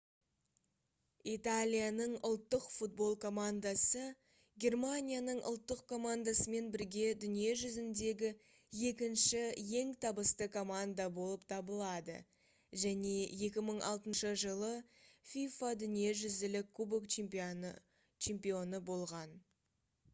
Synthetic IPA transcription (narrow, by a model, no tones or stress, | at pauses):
it̪alʲijanəɴʊlˠt̪ːəqfut̪̚bo̞lˠkʰo̞mand̪asə | ɡʲe̞rmanʲijanəɴʔʊ̰lˠt̪ːəqkʰo̞mand̪asəme̞nbɪɾɡʲe̞d̪ʏnije̞ʒʏzɪnd̪e̞ɡʲɪ | je̞kʲɪnʃɪje̞ŋt̪ʰɑbəst̪əkʰo̞mand̪abo̞lˠəpt̪ʰɑbəlˠɑd̪ə̰ | ʒæne̞je̞kʲɪməɴɑ̰lˠt̪ənʃəʒəlˠəfʲijfad̪ʏnije̞ʒʏzɪlɪkʰːubokt͡ʃ | t͡ʃʰe̞mpijo̞nəbo̞lˠʁɑn